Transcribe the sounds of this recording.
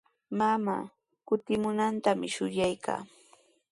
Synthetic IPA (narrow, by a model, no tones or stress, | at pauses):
mamaː | kʊt̪ɪmʊnant̪amɪʃʊʎajkʰa̰ː